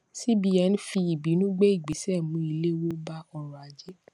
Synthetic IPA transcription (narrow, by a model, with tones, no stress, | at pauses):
si˦bi˧ɛ˧˦n̩˦fi˧i˨bi˨˦nũ˦ɡ͡be˦i˦˨ɡ͡bi˨˦sɛ˦˨mũ˨˦i˧le˦wo˦ba˦ɔ˧ɾ̃ɔ˨a˨˦d͡ʒe˦